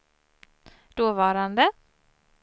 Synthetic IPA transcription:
d̪̥oːvɑːɾand̪ə

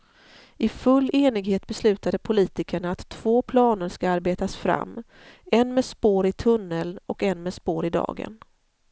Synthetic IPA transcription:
ʔɪfɵlːeːnɪɡheːt̪̚bɛslʉ̟ːt̪ad̪əpʰʊliːt̪ɪkəɳaːt̪ʰːv̥oːpʰlɑːnəɾʂkaaɾbeːt̪asfɾa̰mː | ɛnmeːspoːɾɪt̪ʰɵnːəlɔkɛnmeːspoːɾɪd̪ɑ̰ːɡə̰n

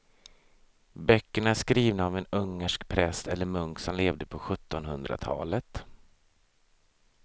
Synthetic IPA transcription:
bœkːəɳaæʂkɾiːvnaɔmɛnɵŋːəʂkpʰɾɛst̪ɛlːəɾmɵŋksɔmleːvd̪əpʰɔɧɵt̪ːɔnhɵnd̪ɾa̰t̪ʰɑ̰ːlət̪

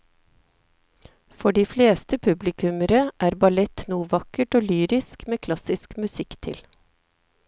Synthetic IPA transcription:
fɔɖiːfleːst̪əpʰʉblɪkʉməɾəʔæːɾbɑlɛt̪nuːʋɑkəʈoːlyːɾɪskmeːkʰlɑsɪskmʉsɪkt̪ʰɪ̰l

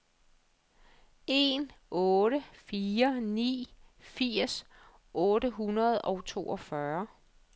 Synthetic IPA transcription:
e̝nɔ̽ːɾəfiːɐnḭːfiɐ̰s | ʔɔ̽ːɾəɦunɐð̞̩ˠɒʊt͡sʰo̝̰ːɒfɶɐ

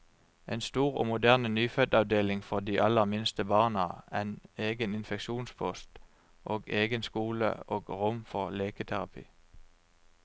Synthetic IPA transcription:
ʔeːnst̪uːʁo̰ːmʊd̪æʁnnyːfœd̪ɑʋd̪eːlɪŋfɔd̪iːʔɑləʁmɪnst̪əbɑːnəæneːɡənɪnfɛkʃuːnspʰɔst̪ | ʔoːɡeːɡənskuːlə̰oːɡʁʊmfɔʁleːkət̪ʰæʁɑpʰḭː

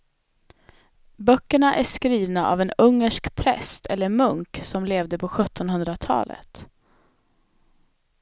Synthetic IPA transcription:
bœkːəɳaʔæʂkɾiːvnaʔa̰vɛnɵŋːəʂkpʰɾɛ̰st̪ʰɛlːəɾmɵŋksɔmleːvd̪əpʰɔɧɵt̪ʰːɔnɦɵnd̪ɾat̪ʰɑ̰ːlə̰t̪

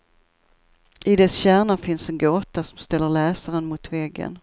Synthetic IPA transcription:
ʔɪd̪ɛsɕæːɳafɪnsɛnɡoːt̪asɔmst̪ɛlːəɾlɛːsaɾənmʊt̪vɛɡːə̰n

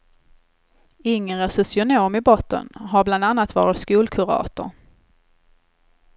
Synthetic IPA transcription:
ɪŋːəɾəsɵsɪʊnoːmɪbɔt̪ːə̰nɦaɾbland̪anːat̪vɑ̰ːɾɪt̪skuːlkʰʊɾɑ̰ːt̪ʊ̰ɾ

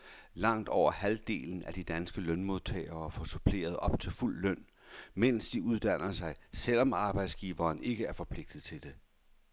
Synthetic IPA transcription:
lɑ̈ŋ̰d̥ɒʊ̰ɐhæld̥e̝̰ːln̩æd̥id̥ænsɡ̥əlœnmo̝ð̞ˠt͡sʰɛ̰ɪɐːfɒ̽supʰle̝̰ːɐð̞̩ˠɒ̽b̥t͡sʰe̝lful̰ːœn̰ | men̰sd̥iuð̞ˠd̥æn̰ɐsɑ̈ɪsel̰ɒ̽mɑ̈ːb̥ɑ̈ɪd̥sɡ̥iːʋɐːne̝ɡ̥əæɐfɒ̽pʰle̝ɡ̥d̥ð̩ˠt͡sʰe̝ld̥e̝

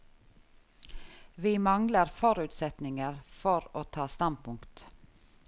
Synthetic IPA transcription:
ʋiːmɑŋləɾfɔɾʉːt̪sɛt̪nɪŋəɾfɔɾoːt̪ʰɑːst̪ɑnpʊŋkt̪

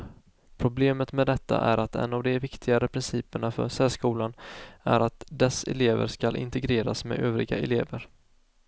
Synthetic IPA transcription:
pʰɾʊbleːmət̪mɛd̪ɛt̪ʰːa̰ʔæɾat̪ɛ̰nːavd̪ɛvɪkt̪ʰɪɡaɾəpʰɾɪnsiːpəɳafœ̰ɾʂɛːʂkuːlanæɾat̪d̪ɛsɛ̰leːvə̰ɾʂkalʔɪ̰nt̪ɛɡɾeːɾasmɛøːvɾɪɡa̰ʔɛ̰leːvəɾ

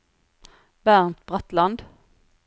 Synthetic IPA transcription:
bæʁnt̪̚bʁɑt̪lɑnd̪

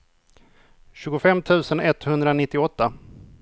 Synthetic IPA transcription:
ɕʉːɡʊfɛmːt̪ʰʉ̟ːsənɛt̪ːhɵnd̪ɾanɪt̪ːɪɔt̪ːa

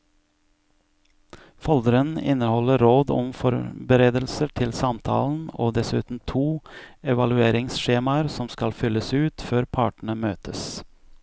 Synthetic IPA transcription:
fɔld̪əɾənɪ̰nəhɔləɾoːd̪ɔ̰mfɔɾbəɾeːd̪əlsəʈʰɪlsɑmt̪ʰɑ̰ːln̩oːd̪ɛsʉːt̪n̩t̪ʰuːɛʋɑlʉeːɾɪŋsʃeːmɑəɾsɔmskɑlfʏləsʉːt̪føːɾpʰɑːʈɳ̩əmøːt̪ʰəs

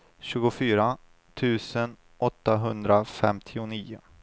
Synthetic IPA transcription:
ɕʉ̟ːɡʊfyːɾa | t̪ʰʉ̟ːsən | ʔɔt̪ːaɦɵnd̪ɾafɛmt̪ʰɪʊniːʊ

